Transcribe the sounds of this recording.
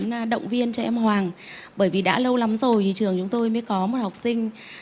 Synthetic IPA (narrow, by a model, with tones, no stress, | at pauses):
n˧ɗə̰˧˨wŋ͡mvi˧ənt͡ɕɔ˧ʔɛ˧mɦwaː˨˩ŋ | ɓəː˧˩jvi˨˩ɗa̰ː˧˥lə˧wla˨˦mzo˨˩jt̪ʰi˨˩t͡ɕɨ˨˩əŋt͡ɕʊ˨˦ŋ͡mt̪o˧jməː˨˦jkɔ˨˦mo˨˩t̚ha˨˩wk͡p̚sï˧ŋ̟